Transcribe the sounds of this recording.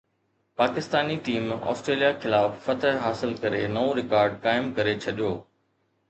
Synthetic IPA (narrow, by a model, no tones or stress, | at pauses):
paːkɪst̪aːniʈiːmɔ̰ːsʈɾeːlijaxɪlaːfːɐt̪əɦɦaːsɪlkɐɾenɐoɾɪkaːɾɖ̚kaːɪmkɐɾet͡ɕʰɐɗijoː